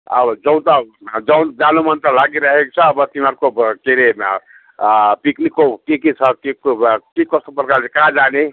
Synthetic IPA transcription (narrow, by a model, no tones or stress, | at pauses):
ə̰bd͡ʒəw̃nt̪ɔd͡ʒəw̃d͡ʒanumənt̪ɔlaɡiɾəɦek̚t͡ʃʰʌːbət̪imaɾkokeɾe | piknikːokekit͡ʃʰʌkekikʌst̪opɾkaɾsekad͡ʒane